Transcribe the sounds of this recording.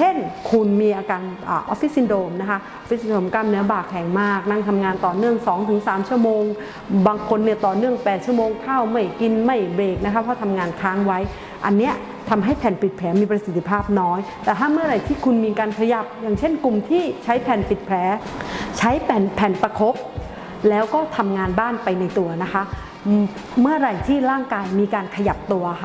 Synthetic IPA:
t͡ɕʰe˥˩nkʰu˧nmiː˧ʔaː˧kaː˧nʔaː˨˩ʔɔ˦˥fi˦˥si˧ndoː˧˩mna˦˥kʰa˦˥ʔfi˦˥si˧ndoː˧˩mkaː˧mnɯ˦ɐbaː˨˩khʰɛː˨˩ŋmaː˥˩k̚na˧˥˩ŋt̪ʰa˧mŋaː˧nt̪ɔː˨˩nɯ˥˩əŋsɔː˩˦ŋt̪ʰɯ˩˦ŋsaː˩˦mt͡ɕʰu˥˩əmoː˧ŋ | baː˧ŋkʰo˧nːi˥˩ɐt̪ɔː˨˩nɯ˥˩əŋpɛː˨˩t̪̚t͡ɕʰu˥˩əmoː˧ŋkʰaː˥˩wma˥˩jki˧nma˥˩jbeː˨˩k̚na˦˥kʰa˦˥pʰɔ˧˥˩t̪ʰa˧mŋaː˧nkʰaː˦˥ŋwa˦˥j | ʔa˧nːi˦˥ɐ | t̪ʰa˧mɦa˥˩jpʰɛː˨˩npi˨˩t̪̚pʰɛː˩˦miː˧pɾa˧si˨˩t̪ʰːi˦˧pʰaː˥˩p̚nɔː˦˥jt̪ɛː˨˩t̪ʰaː˥˩mɯ˥˩ɐɾa˧˩jt̪ʰiː˥˩kʰu˧nmiː˧kaː˧nkʰa˧ja˨˩p̚jaː˨˩ŋt͡ɕʰe˥˩nku˨˩mt̪ʰiː˥˩t͡ɕʰa˦˥jpʰɛː˨˩npi˨˩t̪̚pʰɛː˩˦t͡ɕʰa˦˥jpɛː˨˩npʰɛː˨˩npa˧kʰo˦˥p̚ | lɛː˦˥wkɔː˥˩t̪ʰa˧mŋaː˧nbaː˥˩npa˧jna˧jt̪u˧ɐna˦˥kʰa˦˥ | mɯ˥˩ɐɾa˨˩jt̪ʰiː˥˩ɾaː˥˩ŋkaː˧jmiː˧kaː˧nkʰa˧ja˨˩p̚t̪u˧ɐ˥

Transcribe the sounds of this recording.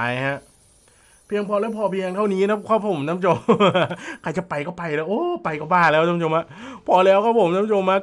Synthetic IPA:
ha˦˥ʔ | pʰi˧əŋpʰɔː˧lɛː˥˩pʰɔː˧pʰi˧ə˧ŋt̪ʰa˥˩wniː˦˥na˦˥kʰɔ˧˥˩pʰo˩˦mna˦˥mt͡ɕʰo˧mː˧˩kʰa˧jt͡ɕa˨˩pa˧jkɔː˥˩pa˧jlɛː˦˥wʔoː˧˥˩pa˧jkɔː˥˩baː˥˩lɛː˦˥wt̪a˧˦˥t͡ɕʰo˧mha˦˥ʔpʰɔː˧lɛː˦˥wkʰɔː˥˩pʰo˩˦mna˦˥mt͡ɕʰo˧mha˦˥

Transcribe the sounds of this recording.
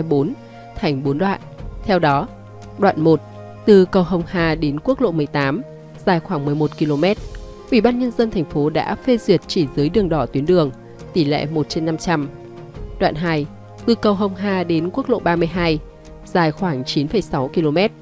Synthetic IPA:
ɓo˨˦n | t̪ʰa˨˧˩jŋ̟ɓo˨˦nɗwa̰ː˧˨nt̪ʰɛ˧wɗɔ˨˦ | ɗwa̰ː˧˨nmo˨˩t̚ | t̪ɨ˨˩kə˨˩wɦə˨˩wŋ͡mhaː˧ɗe˨˦nku˦˥ək̚lo̰˧˨mɨ˨˩əjt̪aː˨˦m | z̥aː˨˩jxwaː˧˩ŋmɨ˨˩əjmo˨˩t̚ki˧lo˧mɛ˦˥t̚ | ʔḭ˧˩ɓaː˧nɲə˧nzə˧nt̪ʰɛ˨˩jŋ̟fo˨˦ɗa̰ː˧˥fe˧zwi˨˩ət̚t͡ɕi˧˩zɨ˨˦jɗɨ˨˩əŋɗɔ˧˩t̪wi˨˦ənɗɨ˨˩əŋ | t̪i˧˩lɛ̰˧˨mo˨˩t̚t͡ɕe˧nːa˧mt͡ɕa˧m | ɗwa̰ː˧˨nɦaː˧j | t̪ɨ˨˩kə˨˩wɦə˨˧˩wŋ͡mɦaː˧˩ɗe˨˦nku˦˥ək̚lo̰˧˨ɓaː˧mɨ˧əjɦaː˧j | z̥aː˨˩jxwaː˧˩ŋt͡ɕi˨˦nfə˧˩jsa˨˦wki˧lo˧mɛ˦˥t̚

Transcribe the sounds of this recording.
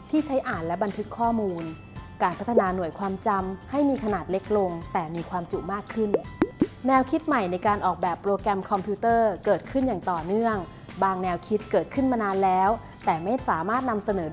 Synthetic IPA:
t̪ʰiː˥˩t͡ɕʰa˦˥jʔaː˨˩nlɛ˦˥ba˧nt̪ʰɯ˦˥kʰːɔː˥˩muː˧n | kaː˧npʰa˦˥t̪ʰːa˧naː˧nu˨˩əjkʰwaː˧mt͡ɕa˧mha˥˩jmiː˧kʰa˧naː˨˩t̪̚le˦˥k̚lo˧ŋt̪ɛː˨˩miː˧kʰwaː˧mt͡ɕu˨˩maː˥˩kʰːɯ˥˩nnɛː˧wkʰi˦˥t̪̚ma˨˩jna˧jkaː˧nʔɔː˨˩k̚bɛː˨˩pːɾoː˧kɾɛ˧mkʰɔ˧mpʰi˦˥t̪ɤː˥˩kɤː˨˩t̪̚kʰɯ˥˩njaː˨˩ŋt̪ɔː˨˩nɯ˥˩əŋ | baː˧ŋnɛː˧wkʰi˦˥t̪̚kɤː˨˩t̪̚kʰɯ˥˩nmaː˧naː˧nlɛː˦˥w | t̪ɛː˨˩ma˥˩jsaː˨˩˦maː˥˩t̪̚na˧msa˧nɤː˩˦

